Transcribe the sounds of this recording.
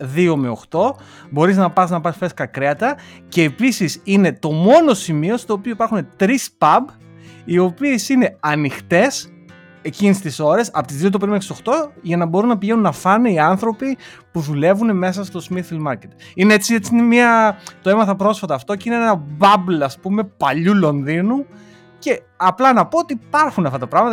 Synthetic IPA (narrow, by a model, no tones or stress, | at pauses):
ðio̞me̞oxt̪o̞ | bo̞ɾiznɐpɐsnɐpɐsfeskɐkɾeɐt̪ɐce̞ːpisisine̞t̪o̞mo̞no̞simio̞st̪oːpio̞ipɐɾxune̞t̪ɾispɐb | io̞piesine̞ɐnixt̪e̞s | e̞cinist̪iso̞ɾe̞sɐpo̞t̪izðiot̪opeɾimekso̞xt̪o̞ʝɐnɐbo̞ɾunːɐpiʝenunːɐfɐneiɐnθɾo̞pipuðule̞vune̞me̞sɐst̪o̞smiθilmɐɾcet̪ineet͡siet͡siinemiɐt̪o̞emɐθɐpɾo̞sfɐt̪ɐːft̪o̞ceineeenɐbɐblɐspume̞pɐʎulo̞nðinu | ce̞ | ɐplɐnɐpoot̪iːpɐɾxunɐft̪ɐt̪ɐpɾɐɣmɐt̪